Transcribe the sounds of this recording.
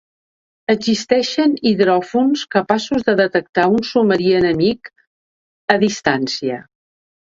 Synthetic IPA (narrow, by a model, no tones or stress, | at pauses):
əɡzist̪ɛʃəniðɾɔfunskəpasuzðəðət̪ək̚t̪aunsuməɾiənəmik | əðist̪ansiə